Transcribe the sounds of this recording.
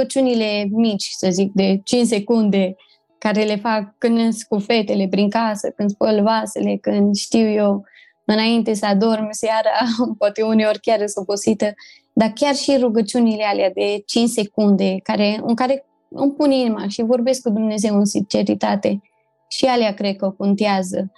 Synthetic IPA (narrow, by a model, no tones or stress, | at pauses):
ət͡ʃunile̞mit͡ʃʲsəzik̚d̪e̞t͡ʃint͡ʃse̞kund̪e̞ | kaɾe̞le̞fakːɨnnskufe̞t̪e̞le̞pɾiŋkasəkɨnd̪spəlvasele̞kɨnd̪ʃt̪iwjew | ɨnaint̪e̞səad̪o̞rmsjaɾapoat̪euneorʲkʲjaresuposit̪ə | d̪akʲjarʃiɾuɡət͡ʃunilealead̪e̞t͡ʃinse̞kund̪e̞kaɾe̞ɨ̰ŋkaɾe̞ | ɨ̰mpuninimaʃivo̞rbe̞sk̚kud̪umne̞ze̞wɨnsint͡ʃe̞ɾit̪at̪e̞ | ʃialeakɾe̞d̪̚kəokont̪eazə